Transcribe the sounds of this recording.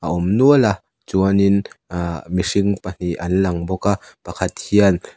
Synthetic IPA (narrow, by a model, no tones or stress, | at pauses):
ʔaʔɔmnuəla | t͡suənin | misiŋpan̥iʔɐnlɐŋbɔkapɐkʰat̪̚hiən